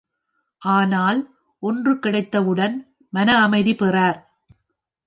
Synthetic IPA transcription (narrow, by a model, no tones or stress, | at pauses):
ʔaːnaːl | ʔɔndrɯkɪɽɐɪt̪ːɐʋɯɽɐn | mɐnɐːmɐɪðipɛraːɾ